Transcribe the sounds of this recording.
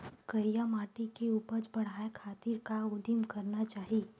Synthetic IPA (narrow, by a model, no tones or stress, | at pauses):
kɐɾijamaːʈikeuːpəɾt͡ʃbɐɽ̤aːekʰaːt̪iɾkaʊd̪imkɐɾnat͡ʃaːɦiː